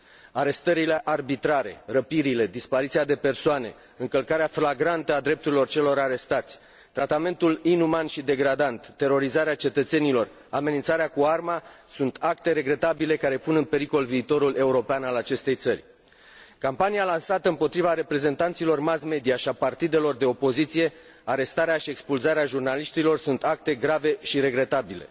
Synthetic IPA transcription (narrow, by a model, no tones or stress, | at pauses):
aɾe̞st̪əɾile̞ʔarbit̪ɾaɾe̞̰rəpiɾile̞d̪ispaɾit̪siad̪e̞pe̞rsoane̞̰ | ɨŋkəlkaɾeaflaɡɾant̪əad̪ɾe̞p̚t̪uɾilo̞rt͡ʃe̞lo̞ɾaɾe̞st̪at̪sʲ | t̪ɾat̪ame̞nt̪ulinumanʃid̪e̞ɡɾad̪ant̪ːe̞ɾo̞ɾizaɾeat͡ʃe̞t̪ət̪se̞nilo̞r | ame̞nint̪saɾeakuarmasunt̪akt̪e̞ɾe̞ɡɾe̞t̪abile̞kaɾe̞punɨnpe̞ɾiko̞lviːt̪o̞ɾule̞uɾo̞peanalat͡ʃe̞st̪e̞jt̪sərʲ | kampanijalansat̪əɨmpo̞t̪ɾivaɾe̞pɾe̞ze̞nt̪ant̪silo̞rmasme̞d̪iaʃiapart̪id̪e̞lo̞rd̪e̞o̞po̞zit̪sije̞ | aɾe̞st̪aɾeaʃie̞kspulzaɾeaʒurnaliʃt̪ilo̞rsunt̪ak̚t̪e̞ɡɾave̞ʃiɾe̞ɡɾe̞t̪abile̞̰